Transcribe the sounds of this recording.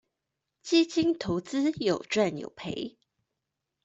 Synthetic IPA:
t͡ɕi˦t͡ɕi˥ŋt̪ʰo˧˦ʊt͡sɹ̩˦jo˨˩ʊʈ͡ʂwa˥˨njo̰˨˩ʊpʰe˧˦ɪ

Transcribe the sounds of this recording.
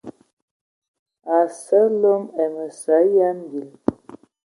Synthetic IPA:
a˨sə˦lo˦mɛ˨mə˨sa˨˦ja˦n˦ɡi˨l

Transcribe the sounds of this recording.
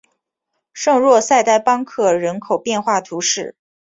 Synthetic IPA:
ʂɤ˥˧ŋɻwɔ˥˧sa˥˧ɪt̪a˥˩ɪpɑ˥ŋkʰɤ˥˩ɻə˧˥nkʰo˨˩ʊpjɛ˥˧nxwa˥˩t̪ʰu˧˥ʂɻ̩˥˩

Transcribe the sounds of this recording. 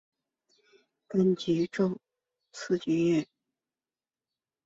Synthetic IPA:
ka˥nt͡ɕi˧˥ʈ͡ʂo˥˩ʊ | t͡s̩ʰ˥˧t͡ɕy˥nɛ˥˩n

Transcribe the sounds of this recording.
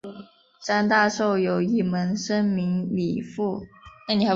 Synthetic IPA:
ʂa˥nt̪a˥˧ʂo˥˩ʊjo˨˩ʊi˥˩mə˧˥nʂə˥nmi˧˥ŋlḭ˨˩fu˥˩na˥˩ni˨˩a˧˥

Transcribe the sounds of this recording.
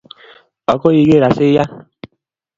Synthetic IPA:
ɔ˨ko˦ji˧ke˦˨ɾa˨se˦ja˦

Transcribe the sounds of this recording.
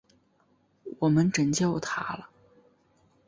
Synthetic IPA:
wɔ˨˩mə˦nʈ͡ʂə˨˩nt͡ɕjɑ˥˩ʊt̪ʰa˥lə˨

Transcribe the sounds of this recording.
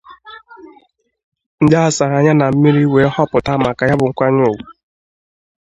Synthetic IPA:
n̩˦da˦a˨sa˨ɣa˨ɲa˦na˨m̩˦mi˦ɾi˦we˨˦hɔ˦pʊ˨ta˦ma˨ka˨ja˦bʊ˨ŋ̩˦kʷa˦ɲo˦˨wu˨

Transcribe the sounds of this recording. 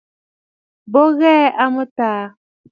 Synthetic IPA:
bo˦ɣɛ˦a˦mə˦taː˨˦

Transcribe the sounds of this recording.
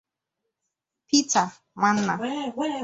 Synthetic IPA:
pi˦ta˨ | ma˦n̩˦na˨˦

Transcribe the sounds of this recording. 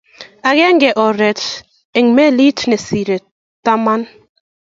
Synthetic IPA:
a˨ɣɛ˦ŋ˦ɡɛ˨ʔɔ˨ɾɛ˨t | e˨ŋmɛ˦li˦tne˨si˨ɾe˨ | ta˦ma˦n

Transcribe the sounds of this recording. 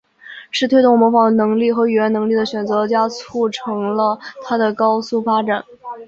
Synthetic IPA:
ʂɻ̩˥˩t̪ʰwe˥ɪt̪ʊ˥˩ŋmwɔ˧˥fɑ˨˩ŋd̪ə˧nɤ˧˥ŋli˥˩xɤ˧˥y˨˩ɥɛ˧˥nɤ˧˥ŋli˥˩d̪ə˩ɕɥɛ˨˩nt͡sɤ˧˥˧t͡ɕja˥t͡sʰu˥˩ʈ͡ʂʰɤ˧˥ŋlə˧t̪ʰa˥d̪ə˨kɑ˥ʊsu˥fa˥ʈ͡ʂa˨˩˦n

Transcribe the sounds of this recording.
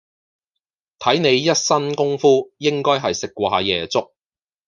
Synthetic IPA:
t̪ʰɐ˨˥jne˨˧jjɐ˥t̚sɐ˥nkʊ˥ŋfuː˥jɪ˥ŋkɔː˥jɦɐ˨jsɪ˨k̚wa̰ː˨˧jɛː˨t͡sʊ˥k̚

